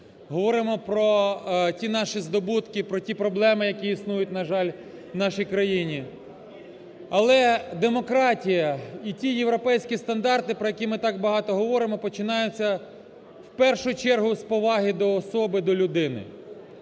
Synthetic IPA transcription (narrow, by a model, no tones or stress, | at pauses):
ɦɔʋɔɾɪmɔpɾɔtʲinɑʃizd̪ɔbut̪kɪpɾɔtʲipɾɔblˠɛmɪjɐkʲiisnujʊtʲnɐʒɑlʲ | wnɑʃijkɾɐjinʲi | ɐlˠɛd̪emɔkɾɑtʲijɐitʲijeʋɾɔpɛjsʲkʲist̪ɐnd̪ɑrt̪ɪpɾɔjɐkʲimɪt̪ɑɡbɐɦɑt̪ɔɦɔʋɔɾɪmɔpɔt͡ʃɪnɑjʊt͡sʲːɐ | wpɛrʃʊt͡ʃɛrɦʊspɔʋɑɦɪd̪ɔːsɔbɪd̪ɔlʲʊd̪ɪnɪ̰